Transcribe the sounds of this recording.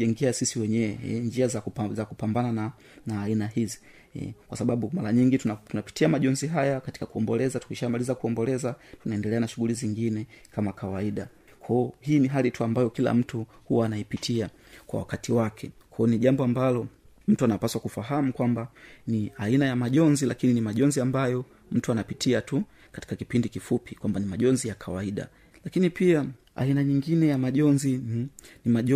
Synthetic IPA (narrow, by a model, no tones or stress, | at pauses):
ɛŋɡɛasisiwɛɲɛwɛ̰ɲd͡ʒiazazakupambanana | naːinahizi̥̰ | kwasaɓaɓumaɾaɲiŋɡittunapi̥tiamaʄɔnziɦajakati̥kakuɔmbɔlɛzatu̥kiʃamalizakuɔmbɔlɛzatunaɛndɛlɛanaʃuɣuliziŋɡinɛkʰamakawaiɗa | kʰɔɔhiːniɦalituambajɔkila̰m̩tuhuwaːnaipitʰia | kwa̰wa̰katiwakʰɛkɔːniʄambɔambalɔ | m̩tuanapaswakufaɦamukwambaniainajamaʄɔnzilakininimaʄɔnziambajɔ | m̩tuanapitʰiatu | kati̥kakipindikifupikwambanimaʄɔnzijakʰawaiɗa̰ | lakinipia | a̰inaɲiŋɡinɛjamaʄɔnzinimaʄ